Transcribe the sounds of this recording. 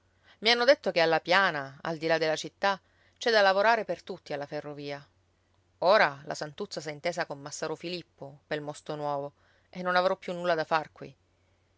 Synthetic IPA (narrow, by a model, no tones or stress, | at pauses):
mianːod̪et̪ːokealːapjaːnaa̰ld̪ilad̪ːelːat͡ʃit̪ːa | t͡ʃɛd̪alːavoɾaːɾepert̪ut̪ːialːaferːoviːa | oːɾala̰sant̪ut̪sːasaint̪eːzakomːasːaːɾofilipːopelmɔst̪onwɔːvo | ʔenːonavɾɔpːjunːulːad̪afarkwḭ